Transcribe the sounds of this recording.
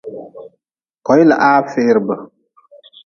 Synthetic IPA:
kɔ˨˦jla̰˨ʔa˦fɪː˦ɾbə˨

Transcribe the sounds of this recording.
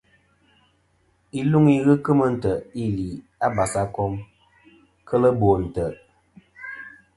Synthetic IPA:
i˦lu˦ŋi˦ɣɨ˦kɨ˦mə˦n̩˨tə˨i˦li˨ | a˦ba˨sa˦kɔ˦m | kʰə˦lə˦bo˨n̩˨tə˨

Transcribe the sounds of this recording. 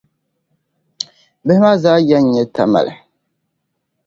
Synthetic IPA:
bɛ˦ɪ˦maː˦zaː˦jɛ˦n˦ɲɛ˦ta̰˨ma̰˨lɨ̰˨

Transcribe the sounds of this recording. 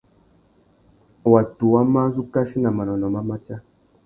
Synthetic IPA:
wa˨tu˨wa˦mã˦zu˦ka˦ʃi˦na˨ma˨nɔ˨nɔ˨ma˦ma˦t͡ʃa˦

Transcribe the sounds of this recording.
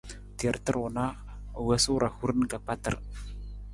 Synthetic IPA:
ti˨ə˨ɾtə˦ɾo˨na˦˨ | wɛ˦su˦ɾa˨hu˦ɾn˦ka˨k͡pa˦tə̰˨ɾ

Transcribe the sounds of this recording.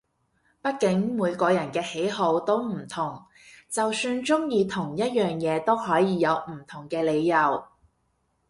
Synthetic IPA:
pɐ˥t̚kɪ˨˥ŋmuː˨˧jkɔː˧jɐ˨˩nkɛː˧he˨˥jɦo˨˧wt̪o˥wm̩˨˩t̪ʰʊ˨˩ŋ | t͡sɐ˨wsyː˧nt͡sʊ˥ŋjiː˧t̪ʰʊ˨˩ŋjɐ˥t̚jœː˨ŋjɛː˨˧t̪o˥wɦɔː˨˥jiː˨˧jɐ˨˧wm̩˨˩t̪ʰʊ˨˩ŋkɛː˧le˨˧jːɐ˨w

